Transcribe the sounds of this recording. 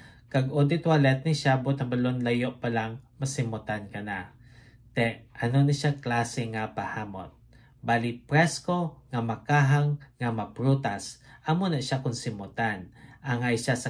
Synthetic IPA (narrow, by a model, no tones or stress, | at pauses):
kaɡod̪ɪt̪walɛt̪̚niʃabʊt̪̚ɐbalonlajoʔpalaŋmɐsɪmʊt̪ankɐna | t̪ɛʔʔɐnonaʃaklasɪŋapahaːmo̰t̪̚ | balipɾɛskoŋamakaɦaŋːamapɾut̪asʔamonaʃakʊnsɪmʊt̪anʔaŋajʃasɐ